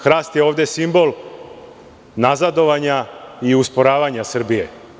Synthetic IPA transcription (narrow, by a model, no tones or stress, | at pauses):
xɾaːst̪jeo̞ːʋd̪e̞simbo̞lˠ | nazad̪o̞ʋaɲaiuspo̞ɾaːʋaɲasr̩bije